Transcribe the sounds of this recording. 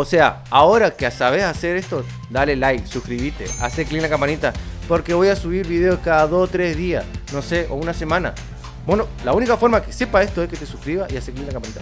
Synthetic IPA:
o̞se̞a̰ | ao̞ɾakeasaβ̞esase̞ɾe̞st̪o | d̪alelajksuhkɾiβit̪e̞̰a̰seklinlakampanit̪apo̞ɾke̞βo̞jasuβ̞iɾβiðeokaðaðo̞st̪ɾe̞zðiasno̞se̞ʔounase̞mãna̰ | bweno̞launikafo̞ɾmakese̞pae̞st̪oesket̪e̞suhkɾiβaʔiaseklinlakampanit̪a

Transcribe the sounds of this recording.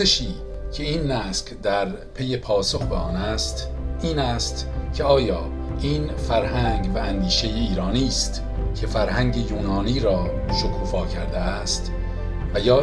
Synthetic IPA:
eʃiːcʰe̞iːnːæskd̪æɾ | pʰe̞je̞pʰɒːsoxbeɒːnæst̪iːnæst̪cʰe̞ɒːjɒːʔiːnfæɾhæŋɡvæːnd̪iːʃe̞jeiːɾɒːniːst̪ | cʰe̞fæɾhæŋɟe̞juːnɒːniːɾɒː | ʃokʰuːfɒːcʰæɾd̪eæst̪ | væjɒː

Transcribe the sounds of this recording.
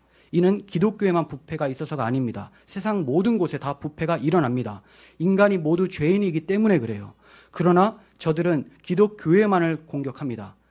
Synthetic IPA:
inɯnkidok͈̚joe̞manpupʰe̞ɡais͈ʌsʰʌɡaːɲimɲida̰ | sʰe̞sʰaŋmodɯnɡosʰe̞tapupʰe̞ɡaʔiɾʌnamɲida | inɡaɲimodut͡ɕwe̞iniːɡit͈e̞mune̞kɯɾe̞jo̰ | kɯɾʌna | t͡ɕʌdɯɾɯnkidok͈joe̞manɯɭkoŋɡjʌkʰamɲida

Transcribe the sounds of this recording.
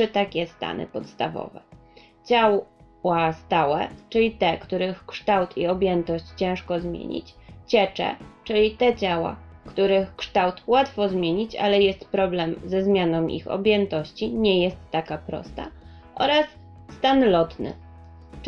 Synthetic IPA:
ɘt̪akʲɛst̪a̰nɘ̰pɔt̪st̪a̰vɔ̰vɛ̰ | t͡ɕaw | wast̪awɛ̰t͡ʂɘlʲit̪ɛkt̪uɾɘxkʂt̪awt̪ʰiɔbʲjɛnt̪ɔɕt͡ɕt͡ɕɛ̃ʂkɔzmʲjḛɲḭt͡ɕt͡ɕɛt͡ʂɛ̰t͡ʂɘlʲit̪ɛt͡ɕawa̰kt̪uɾɘxkʂt̪awt̪wat̪fɔzmʲjeɲit͡ɕa̰lɛjɛst̪pɾɔblɛmzɛzmʲjanɔwʔḭxɔ̰bʲjɛnt̪ɔɕt͡ɕiɲɛjɛst̪ːakapɾɔ̰st̪a̰ | ʔɔɾasː | t̪anlɔt̪nɘ̰

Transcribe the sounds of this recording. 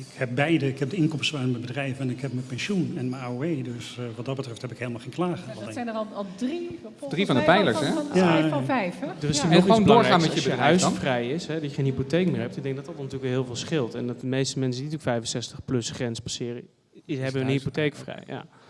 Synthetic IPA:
ɪkhɛp̚bɛjdəɪkɛp̚dəɪnkɔmstwaːnməbədrɛjvəɛnɪkɦɛp̚məpɛnʃunɛnməaoejdøsʋɑt̚dɑd̚bətrɛfthɛpɪkɦejlˠmalˠχejŋklaːχəsɛjnəlˠlˠdri | drifɔndəpɛjləɹɛjaɛjfdərɪsionəlɑʊːŋɹaːmɛəəɦœɥsfrɛjɪsɦɛdɔjəχenɦipotejkmɪːɹɦɛp̚tɪɡ̚dɛŋk̚ɡdɔtdɔt̚nətyləkʋˠɦɪːlˠvɪːlˠsχɪlˠtɛndɔtəmejstəmɛnsəndintyːəkfɛjvənsɛstəχplɵsχrɛnspasɪːrə | ɪɦɛbənɦipotejkəfrɛ̰jja̰ː

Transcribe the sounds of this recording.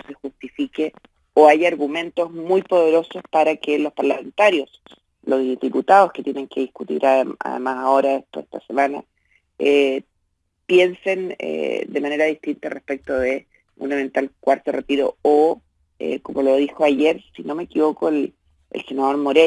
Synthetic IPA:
sexust̪ifike | oajaːɾɣumẽ̞nt̪o̞zmujpoðe̞ɾo̞sospaɾakelo̞spaɾlame̞nt̪aɾjo̞s | loðiput̪aðosket̪jene̞ŋke̞ðiskut̪ḭɾʔaa̰ðḛmasao̞ɾaet̪oest̪asemana̰ | e | pje̞nse̞nḛd̪emane̞ɾaðiht̪int̪arʔehpek̚t̪oðe | ṵnament̪alkwaɾt̪oret̪iɾo̰o | ḛko̞mo̞loðixo̞aʝeɾsino̞meːkiβo̞koel | ḛlse̞nað̞o̞ɾmo̞ɾe

